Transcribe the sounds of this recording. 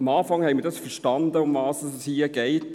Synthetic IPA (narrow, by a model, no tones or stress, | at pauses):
ɑmɑːfɑŋhɛɪmiədɑsfɛʃtɑnd̪əʊmvɑːsəsshiːəɡ̥eɪt